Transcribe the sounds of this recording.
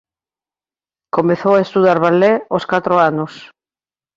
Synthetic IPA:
komeθowaest̪uðaɾβalɛoskat̪ɾoanos

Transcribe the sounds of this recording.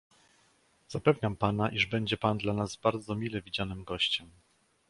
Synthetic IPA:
z̥apɛvɲampanaʔiʐbɛɲd͡ʑɛpand̪lanazbaɾd̪zɔmʲilɛvʲid͡ʑanɘmɡɔɕt͡ɕɛm

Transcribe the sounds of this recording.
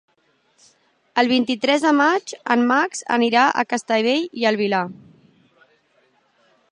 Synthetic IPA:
əlˠβ̞int̪it̪ɾɛzðəmad͡ʒə̰mːakz̥ə̰niɾaʔə̰kəst̪əjβeʎiəlˠβila

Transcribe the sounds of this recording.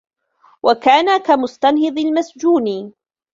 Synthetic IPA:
wʔakaːnakamʊst̪anhɨd̪ˤɪlmasd͡ʒuːnɪ

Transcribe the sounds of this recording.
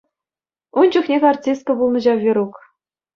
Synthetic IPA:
und͡ʑuxnʲekʲɑrtʲist̪̚kɤ̆bulˠnɤ̆ʑɑʋʲiɾuk

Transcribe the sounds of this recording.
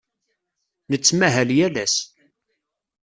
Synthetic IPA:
nət͡sːmæɦæljælæs

